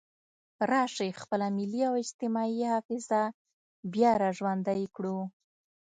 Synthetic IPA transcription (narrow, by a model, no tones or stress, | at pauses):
ɾɑʂexpəlamɪliawɪd͡ʒt̪ɪmɑihɑfɪza | bjɑɾɑʒwand̪ajkɽu